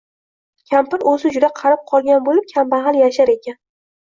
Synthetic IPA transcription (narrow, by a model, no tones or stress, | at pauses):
kʲʰampɪɾɵzɪd͡ʒʊd̪aqʰɑɾɪp̚qʰɒlˠɡʲanbolɪp̚kʲʰambahalˠjaʃaɾe̞kʲan